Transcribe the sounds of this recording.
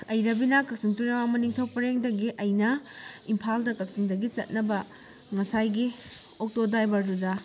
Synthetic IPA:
ɐjɾɐbinɐkɐk̚siŋtuɾemamɐniŋtʰowpɐɾeŋdɐɡiʔɐjnɐimpʰaldɐkɐk̚siŋdɐɡit͡ʃɐ̰t̚nɐbɐ | ŋɐsajɡi | ok̚todajbaɾudɐ

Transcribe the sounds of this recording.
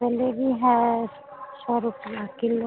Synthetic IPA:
pɛlebʱiɦɛ̃ | sɔɾupjãkilo

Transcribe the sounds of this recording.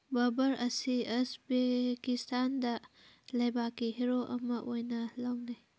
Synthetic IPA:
bɐbɐɾɐsiesbekistʰandɐ | lɐjbakːiɦeɾoʔɐmɐʔojnɐlɐwni

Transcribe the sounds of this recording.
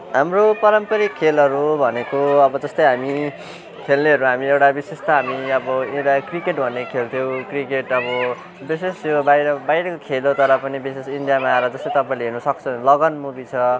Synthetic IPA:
ɦamropʌɾʌmpʌɾikʰːelʌɾubʱʌnekoʌbʌd͡zʌst̪ʌjɦami | kʰelneʌɾuɦamiewʈabisest̪ʌɦamiʌbʌiʈakrikeʈbʱʌnekʰelt̪ʰjew̃krikeʈʌbʌ | bisesjobajɾʌbajɾʌkokʰelot̪ʌɾʌpʌnibisesiɳɖijamaːɾʌd͡zʌst̪ʌjt̪ʌpaĩleɦirnʌsʌkt͡sʰʌ̃lʌɡʌnmubit͡sʰʌ

